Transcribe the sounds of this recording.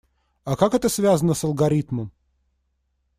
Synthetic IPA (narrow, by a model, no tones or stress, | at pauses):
ɐkakɛt̪əsvʲazənəsəlˠɡɐɾʲit̪məm